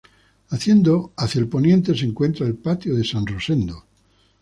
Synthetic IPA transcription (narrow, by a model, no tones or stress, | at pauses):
aθje̞nd̪oaθjaelpo̞njẽ̞nt̪e̞seŋkwe̞nt̪ɾaelpat̪joðesãnrose̞nd̪o